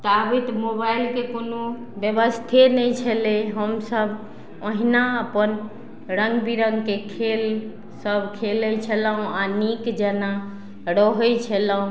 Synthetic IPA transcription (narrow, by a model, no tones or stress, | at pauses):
t̪abit̪mobajlkekonu | bjəbəst̪ʰenɛjt͡ʃʰəleɦəmsəb | əɦinaəpən | ɾəŋɡbiɾəŋɡkekʰel | səbʱkʰelət͡ʃʰələɦũanikd͡ʒɛna | ɾɔɦɔt͡ʃʰələũ